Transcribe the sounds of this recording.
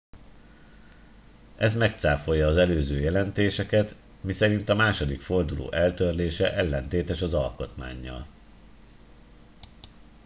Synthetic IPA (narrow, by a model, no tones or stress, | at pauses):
ʔɛzmɛk̚t̪saːfo̞jːɒːzɛløːzøːjɛlɛnt̪eːʃɛkɛt̪ | misɛɾint̪ɒmaːʃo̞d̪ikfo̞rd̪ulo̰ːʔɛlt̪ørleːʃɛʔɛlːɛnt̪eːt̪ɛʃɒzɒlko̞t̪ma̰ːɲːɒ̰l